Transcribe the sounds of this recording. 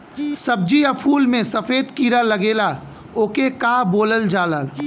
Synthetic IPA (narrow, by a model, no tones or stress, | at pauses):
sɐb̚d͡ʒiɐpʰuːlmẽsɐfeːd̪kiːɾalɐɡeːla | oːkekaːboːləld͡ʒaːləl